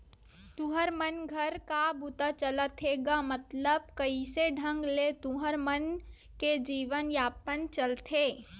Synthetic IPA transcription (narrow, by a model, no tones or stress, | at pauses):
t̪uɦəɾmənɡʱəɾkabʱut̪at͡ʃələt̪ʰeːɡamət̪ləb̚kəiseɖʱə̃ŋɡlet̪uɦəɾmən | ked͡ʒiːʋənjaːpənt͡ʃəlt̪ʰeː